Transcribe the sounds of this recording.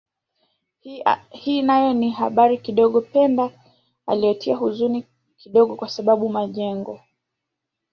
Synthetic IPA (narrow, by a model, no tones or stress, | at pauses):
hinajɔniɦaɓaɾikiɗɔɠɔpɛnda | a̰liɔtʰiaɦuzuni | kiɗɔɠɔkwasaɓaɓumaʄɛŋɡɔ